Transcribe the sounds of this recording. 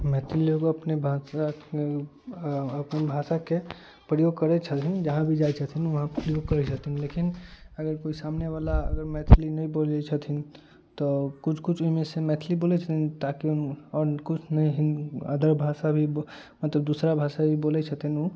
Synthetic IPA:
mɛːt̪ʰliloɡoɐpnebʱaːsa | ɐpnebʱaːsake | pɾəjoːɡ̚kəɾet͡ʃʰət̪ɦɪnd͡ʒɐɦãbʱid͡ʒaːit͡ʃʰət̪ɦinʋɐɦãpɾəjoːɡ̚kəɾɛt͡ʃʰət̪ɦinlekɪnəɡəɾkoːisaːmneʋaːlaɐ̰ɡəɾmɛːt̪ʰlinɐɦĩboːld͡ʒat͡ʃʰət̪ɦɪn | t̪okʊt͡ʃʰkʊt͡ʃʰʊɦmẽsemɛːt̪ʰliboːlet͡ʃʰət̪int̪aːkiʊnɔːɾkʊt͡ʃʰnɐĩɦɪnə̰d̪ʱəɾbʱaːsabʱi | mɐt̪ləb̚d̪uːsɾabʱaːsabʱiboːlet͡ʃʰət̪ɦɪno

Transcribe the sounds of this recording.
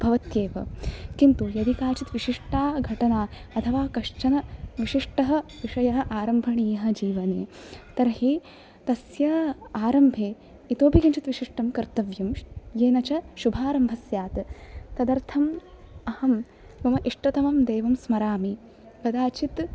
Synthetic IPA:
bʱɐʋɐt̪jeːʋɐ̰kint̪ujɐd̪ʱikaːt͡ʃit̪ʋiʃiʂʈaːɡʱɐʈɐnaːɐt̪ʰɐʋaːkɐʂt͡ʃɐnɐʋiʃiʂʈɐɦɐ̆ʋiʂɐjɐɦɐ̆ʔaːɾɐmbʱɐɳiːɐɦɐ̆d͡ʒiːʋɐnḛː | t̪ɐɾɦi | t̪ɐsjɐaːɾɐmbʱeː | it̪oːpikɐnt͡ʃʰit̪ʋiʃiʂʈɐmkɐɾt̪ɐʋjɐmjeːnɐt͡ʃɐʃubʱaːɾɐmbʱɐsjaːt̪t̪ɐd̪ɐɾt̪ʰɐm | ɐhɐm | bɐmɐʔiʂʈɐt̪ɐmɐmd̪eːʋɐmsmɐɾaːmi | ɡɐd̪aːt͡ʃit̪

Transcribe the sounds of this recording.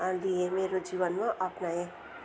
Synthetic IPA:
aliẽmeːɾod͡ʒiːʋənmãʔɐpnaẽ

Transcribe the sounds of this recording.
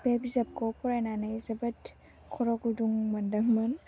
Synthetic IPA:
bebizɐp̚kɔpʰɔɾajnanejzɐbɐt | kʰɔɾɔɡuduŋmɐndɐŋmɐn

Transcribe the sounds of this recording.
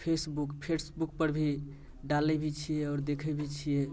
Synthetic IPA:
pʰesbukpʰesbukpəɾbʱi | ɖalɛbʱit͡ʃʰijeɔːɾd̪ekʰɛbʱit͡ʃʰije

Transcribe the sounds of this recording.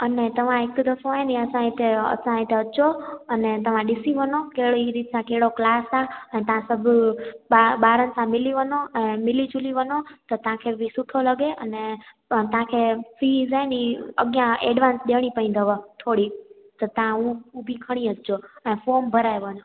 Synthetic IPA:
ənet̪əʋãekd̪əsõaeniəsãet̪ʰeə̰sãet̪ʰeət͡ʃoənet̪əʋãɗɪsiʋənokeɽiɾiːt̪sãkeɽoklaːsãənet̪əãsəbʱ | aɓaːɾənsãmɪliʋənoənemɪlit͡ʃʊliʋənot̪ɔt̪əãkʰebʱisʊʈʰoləɡeʔəne | t̪ãkʰefiːzaniə̰ɡjãḛɖʋãnsɗeʋɽ̃ipə̃ĩnd̪ʱəʋət̪ʰoɽi | t̪ɔt̪əãuubʱikʰəɽ̃iətt͡ʃoənefoːmbʱəɾaeʋənõ

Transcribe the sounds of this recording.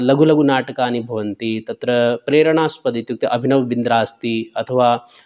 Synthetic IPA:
lɐɡulɐɡunaːʈɐkaːnibʱɐʋɐnt̪it̪ɐt̪ɾɐpɾeːɾɐɳaːspɐd̪it̪juk̚t̪ɐʔɐbʱinɐʋʋind̪ɾaːst̪iɐt̪ʰɐʋaː

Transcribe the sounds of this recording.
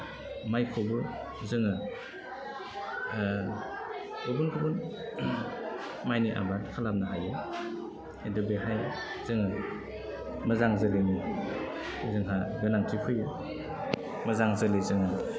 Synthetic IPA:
majkʰobɯ | zɯŋɯ | obɯnkʰɯbɯn | majniʔa̰bankʰalap̚naɦajɯ | edɯbeɦaj | zɯŋɯ | mazaŋzɯleni | zɯŋɦaɡɯnaŋtʰipʰɯjɯ | mazaŋzɯlezɯŋɯ

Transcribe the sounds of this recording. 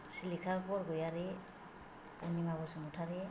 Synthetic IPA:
silikʰapɔɾɡɔjaɾe | ṵniŋabɔsɔŋutʰaɾe

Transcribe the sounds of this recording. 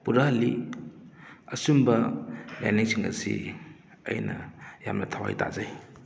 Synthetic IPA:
puɾali | ɐsumbɐlaniŋsiŋɐsḭ | ɐ̰jnɐjamnɐtʰawa̰jta̰zaj

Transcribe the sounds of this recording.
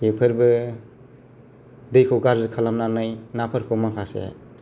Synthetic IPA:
pepʰɯɾbɯ | dɯjkʰɯwɡaɾzɯkʰalamnanajnapʰɯɾkʰomakʰasḛ

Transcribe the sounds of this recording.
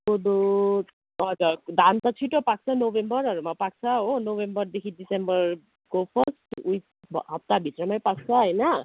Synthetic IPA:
kod̪o | ʌɡʌd̪ant̪ʌt͡sʰiʈopak̚t͡sʰʌnobembʌɾʌɾumapak̚t͡sʰʌɦonobembʌrd̪ekʰiɖisembʌɾ | kopʰʌsʈuj | bɦʌp̚t̪abʱit̪ɾʌmajpak̚t͡sʰʌɦʌjnʌ

